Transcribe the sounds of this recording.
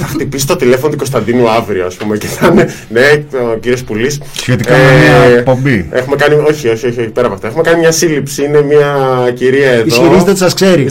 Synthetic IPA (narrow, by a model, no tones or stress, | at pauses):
θɐxt̪ipisi̥t̪ot̪ilefonot̪uko̞st̪ɐnd̪inuɐvɾioɐspume̞ceθɐne | ne̞ociɾio̞spulis | sçet̪ikamemɐek̚po̞mbiexumekɐnio̞çio̞çio̞çioçipeɾɐpoɐft̪oe̞xume̞kɐnimɲɐsilipsiine̞miɐciɾiɐeðoiɾizðesɐskseɾi